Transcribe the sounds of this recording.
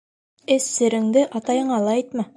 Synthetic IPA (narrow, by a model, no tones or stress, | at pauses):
ɘsːɘ̆ɾɘ̆ŋd̪ɘʔɑt̪ɑjɤ̆ɴɑlˠɑɑjt̪mɑ